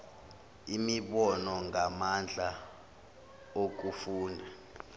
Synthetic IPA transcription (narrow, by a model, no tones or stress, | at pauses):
imiɓɔnɔŋamand͡ɮʱa | ok̬ufuːndʱa